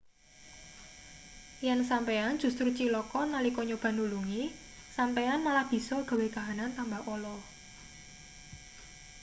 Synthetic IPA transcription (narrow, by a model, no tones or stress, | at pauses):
jɛnsampean̥d͡ʒ̥ṳst̪ɾut͡ʃilɔkɔnalikɔɲob̥a̤nuluŋi | sampeanmalahb̥i̤sɔɡ̥a̤wekaɦanant̪ambaholɔ